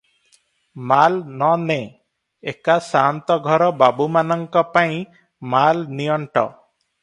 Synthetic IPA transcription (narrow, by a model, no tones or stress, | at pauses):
malnɔne | ekasant̪ɔɡʱɔɾɔbabumanɔŋkɔpaj̃ | malnijɔɳʈɔ̰